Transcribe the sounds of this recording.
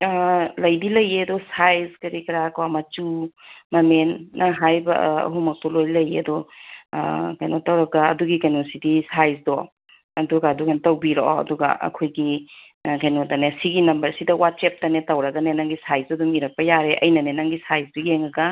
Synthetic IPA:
lɐjbilɐjeɐdɔsajzkɐɾikɐɾakoamɐt͡ʃumɐmenːɐɦajbɐ̰ɐ̰ɦumɐk̚tɔlojlɐjeɐdɔ | kajnotɐwɾɐɡaɐ̰duɡikajnosidisajzdo | ɐduɡaːduɡantɐwbiɾoɔɐ̰duɡɐ̰ʔɐ̰kʰojɡi | kajnotanesiɡinɐmbɐɾsidɐwat̚sep̚tɐnetɐwɾɐɡɐnenaŋɡisajzɐdumiɾɐk̚pɐjaɾeʔɐ̰jnɐnenaŋɡisajzduieŋɐɡɐ

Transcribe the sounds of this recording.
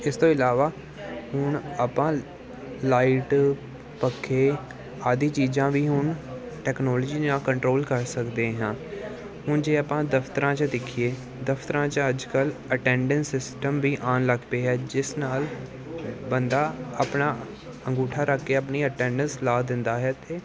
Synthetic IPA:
ɪst̪õːɪlaːʋaː | hʊnəpãː | laːɪʈ | pəkʰːeː | aːd̪iːt͡ʃiːzãːʋiːɦʊɳ | ʈɛːknɔːlːd͡ʒiːd͡ʒãːkəɳʈɾoːlkəɾsəkd̪eːɦãː | hʊɳd͡ʒeːəpãːd̪əfʰt̪əɾãːt͡ʃd̪ɪkʰieː | d̪əfʰt̪əɾãːt͡ʃəd͡ʒkələʈɛ̃ːɳɖənsɪsʈəmʋiːʔaːnləɡpeːɦɛːd͡ʒɪsnaːl | bənd̪aːəpnaː | ə̃ŋɡuːʈʰaːɾəkːeːəpniːəʈɛ̃ːɳɖənslaːd̪ɪnd̪aːɦɛːt̪eː

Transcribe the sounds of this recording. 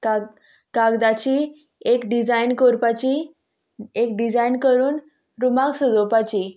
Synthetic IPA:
ka | kaɡd̪at͡ɕiː | ekɖid͡zajnkoɾpat͡ɕi | ekɖid͡zajnkəɾuːn | ɾumaksəd͡zopat͡ɕi

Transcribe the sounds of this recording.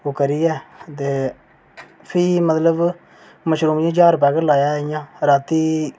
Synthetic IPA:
oːkəɾiːɛːt̪̬eː | pʰiːmət̪ləb | məʃɾuːmjĩːd͡ʒaːɾʊp̬ɛːkelaːjaːɪjãːɾaːt̪iː

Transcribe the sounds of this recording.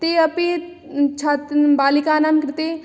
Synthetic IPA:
t̪eɐpi | t͡ʃʰaːt̪baːlikaːnaːmkɾɪt̪eː

